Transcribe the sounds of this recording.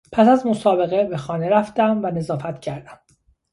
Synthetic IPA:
pʰæsæzmo̞sɒːbe̞ɣebe̞xɒːne̞ɾæft̪æmvæne̞zɒːfæt̪cʰæɾd̪æm

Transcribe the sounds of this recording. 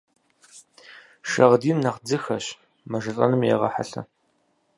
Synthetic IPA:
ʃɐʁdiːnːɐqd͡zɨxɐɕ | mɐʒɨɬʼɐnɨmjḛʁɐ̰ħa̰ɬɐ̰

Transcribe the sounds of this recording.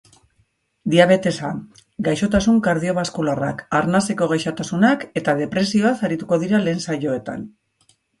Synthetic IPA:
d̪iaβ̞e̞t̪e̞sa | ɡajʃo̞t̪asuŋkaɾð̞io̞βaskulara̰kaɾnase̞ko̞ɣ̞ajʃot̪asunake̞t̪aðe̞pɾe̞sio̞asaɾit̪uko̞ð̞iɾale̞ːnsaʎo̞e̞t̪a̰n

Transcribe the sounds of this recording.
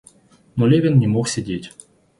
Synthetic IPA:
mɔlʲevʲenːʲemoxsʲidʲetʲ

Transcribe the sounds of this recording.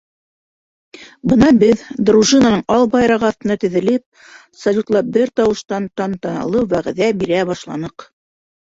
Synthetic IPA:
bɤnɑbɘðd̪ruʒɨnɑnɤɴʔɑlˠbɑjɾɑʁɤɑθt̪ɤ̆nɑt̪ɘ̆ðɘ̆lɘp̚ | sɐlʲut̪lˠɑp̚bɘɾt̪ɑwɤ̆ʃt̪ɑnt̪ɑnt̪ɑnɑ̰lˠɤwwæʁæ̆ðæbiɾæbɑʃlˠɑ̰nɤq

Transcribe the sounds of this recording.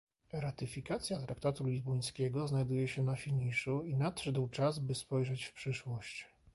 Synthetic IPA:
ɾat̪ɘfʲikat̪sʲjat̪ɾak̚t̪at̪ulʲizbɔj̃skʲɛɡɔznajd̪ujɛɕɛnafʲiɲiʂuinat̪ʂɛd̪wt͡ʂazbɘspɔjʐɛt͡ɕfpʂɘʂwɔɕt͡ɕ

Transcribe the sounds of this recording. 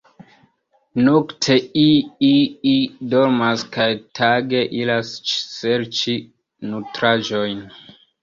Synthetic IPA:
noktʰe̞iiidoɾmaskajtʰaɡeʔilast͡ʃseɾt͡ʃi | nutɾaʒojn

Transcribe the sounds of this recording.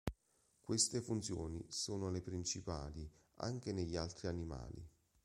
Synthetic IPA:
kwest̪efunt̪sjoːnḭsoːnolepɾint͡ʃipa̰ːli | a̰ŋk̟eneʎːialt̪ɾianima̰ːlḭ

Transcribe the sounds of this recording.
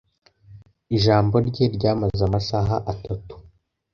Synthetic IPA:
iʒaːmbo̞ɾɟe̞ɾɟaːmazamaʃaːɦaʔatatu̥

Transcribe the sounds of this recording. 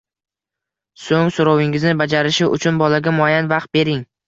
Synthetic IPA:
soŋsoɾɒwɪŋɪznɪbad͡ʒaɾɪʃɪʔʊ̰t͡ʃʰʊnbɒlaɡʲamʊajanvaqt̪̚be̞ɾɪŋ

